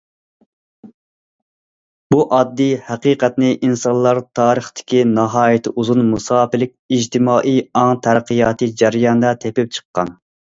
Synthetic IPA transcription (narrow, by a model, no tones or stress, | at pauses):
b̥uʔɑd̪ːijhæqiqʰɛt̪nɪʔinsɑnlˠɑɾt̪ʰɑːɾəχt̪ʰɪ̥kʲʰinɑɦɑːjɪt̪ʰɪʔuzunmusɑːpɪlɪk̚ʲid͡ʒt̪ʰɪmɑːʔijɑŋt̪ʰæɾqɨjɑːt̪ʰɨd͡ʒæɾjɑnd̪ɑt̪ʰepɪp̚t͡ʃʰə̥qːɑ̰n